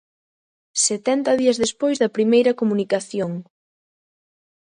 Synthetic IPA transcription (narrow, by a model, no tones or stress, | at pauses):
set̪ɛnt̪ɐðiɐzðespojzðɐpɾimejɾɐkomunikaθjoŋ